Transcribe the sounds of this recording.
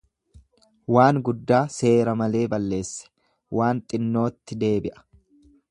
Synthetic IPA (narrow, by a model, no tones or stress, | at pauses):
waːŋɡʊd̪ːaːse̞ːɾɐmɐle̞ːbɐlːe̞ːsːɛ̥ | waːnt̪ʼɪnːo̞ːt̪ːɪd̪e̞ːbɪʔɐ̥